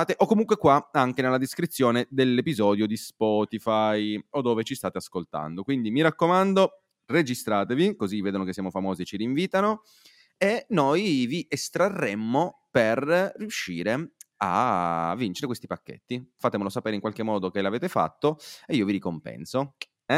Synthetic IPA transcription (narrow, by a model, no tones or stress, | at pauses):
t̪eʔokːomuŋkwekwaaŋk̟enelːad̪iskɾit̪sːjoːned̪elːepizɔːd̪jod̪ispɔːt̪ifajod̪ːoːvet͡ʃist̪aːt̪easkolt̪a̰nd̪okwind̪imiɾakːomand̪o | red͡ʒist̪ɾaːt̪evikozivːeːd̪onokesːjamofamoːziet͡ʃiɾiːɱviːt̪ano | enːojviʔest̪ɾarːemːo | perrːiuʃːiːɾea̰vːint͡ʃeɾekwest̪ipakːḛt̪ːifat̪emolosapeːɾeiŋkwalkemːɔːd̪ok̟elaveːt̪efa̰t̪ːoeiːoviɾikompɛ̰nso | ɛ